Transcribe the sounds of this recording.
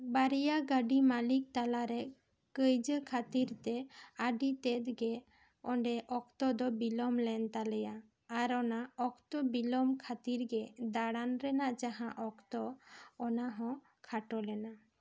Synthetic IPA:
baɾijaɡəɖimalik̚t̪alaɾɛ | kəjd͡ʒəkʰat̪iɾt̪ɛaɖit̪ɛt̪̚ɡɛ | ɔɳɖɛʔɔkt̪ɔd̪ɔbilɔmlɛnt̪alɛjaː | ɾɔnaɔkt̪ɔbilɔmkʰat̪iɾɡɛd̪aɽanɾɛnaʔd͡ʒaɦãʔɔkt̪ɔːnaɦɔ̃ | kʰaʈɔlɛna

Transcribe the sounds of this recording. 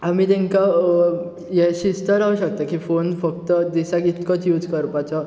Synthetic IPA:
amit̪ɛ̃ŋka | jeɕist̪əɾauɕək̚t̪akifonfək̚t̪əd̪isakit̪kɔt͡sjuːd͡zkəɾpat͡sɔ

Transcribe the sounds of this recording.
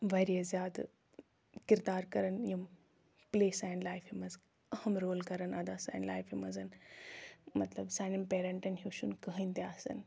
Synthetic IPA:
ʋɐːɾijɐzjaːd̪ | kɪɾd̪aːɾkɐɾəniɐm | pleːsaːjnlaːɪfimɐz | ɐhɐmɾoːlkɐɾənɐd̪aːsa̰ːɪnla̰ːɪfimɐzɐn | mɐt̪ləbsãːnɐmpeːɾɐ̃ɳʈɐnɦuːʃunkɐɦĩnd̪eaːsɐ̰n

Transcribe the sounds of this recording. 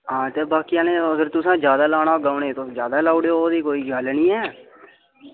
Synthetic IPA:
ɦãːt̪eːbaːkijãːnẽːəɡəɾt̪ʊsãːd͡ʒjaːd̪aːlaːɽaːɡaːʊɳeːt̪od͡ʒjaːd̪aːlaːʊɽeooːd̪iːkoːiːɡəlnĩːɛː

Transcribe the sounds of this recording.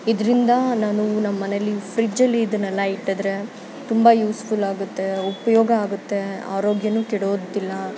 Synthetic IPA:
id̪ɐɾind̪ɐnaːnunɐmːɐːɐnelːifʰɾid͡ʒɐlːiːd̪ɐnɐlːɐiʈːɐd̪ɾe̞ | t̪umbɐjuːspulaːɡut̪ːe̞upɐjoːɡɐaːɡut̪ːe̞a̰ːɾo̞ːɡjɐnuːkiɽoːd̪ilːɐ

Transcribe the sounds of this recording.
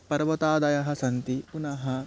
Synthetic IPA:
pɐɾʋɐt̪aːd̪ɐjɐɦɐ̆sɐnt̪ipunɐɦɐ

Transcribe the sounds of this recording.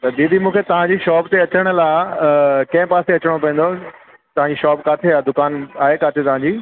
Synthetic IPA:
t̪ɐd̪iːd̪ʱimũːkʰet̪ɐʋ̤ãɲd͡ʑiːʃɔːpt̪eɐt͡ɕəɽ̃ʊ̆laɪ | kɐ̃ɦɪ̃paːseɐt͡ɕəɽ̃opɐ̃ĩːn̆d̪o | t̪ɐʋãɲd͡ʑiːʃɔːpkaːt̪ʰeaːd̪ʊkaːnaːɦekaːt̪ʰet̪ɐʋ̤ãɲd͡ʑiː

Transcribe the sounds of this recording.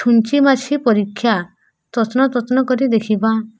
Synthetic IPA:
ʈʰunt͡ʃimat͡ʃʰipɔɾikʰːja | t̪ɔtnɔt̪ɔt̪nɔkɔɾid̪ekʰiba

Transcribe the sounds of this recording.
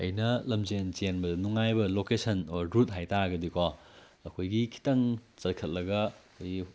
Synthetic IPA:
ɐ̰jnɐlɐmzent͡ʃenbɐdnuŋajbɐlokesʰɐnoɾɾut̚ɦajtaɡɐdikɔ | ɐkʰojɡikʰi̥tɐŋt͡ʃɐɾkʰɐt̚lɐɡɐkojɡi

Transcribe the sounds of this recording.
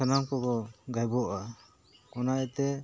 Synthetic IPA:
anamkɔkɔɡajbɔʔa | ɔnaʔɛt̪ɛ

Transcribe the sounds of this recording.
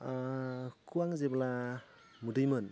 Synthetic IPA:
kʰuwaŋzebla | mudɯjmɯn

